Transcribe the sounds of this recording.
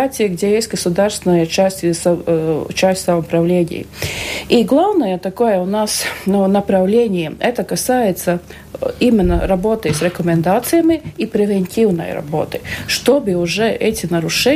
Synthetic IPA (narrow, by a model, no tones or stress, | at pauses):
atʲɪjəɡdʲejesʲtʲɡəsʊd̪aɾst̪vʲɪnəjət͡ɕæsʲtʲs | t͡ɕæsʲtʲsɐmɐpɾɐvlʲenʲɪ̰j̰iɡlˠavnəjət̪ɐkojəʊnasnunɐpɾɐvlʲenʲɪjəɛt̪əkɐsajɪt̪sə | imʲɪnːəɾɐbo̞t̪ɨsɾʲɛkəmʲɪnd̪at̪sɨjəmʲɪipɾʲɪvʲenʲtʲivnə̰j̰ɾɐ̰bo̞̰t̪ɨ̥ʂt̪obɨʊʐɛʔɛtʲɪnɐɾʊʂɛ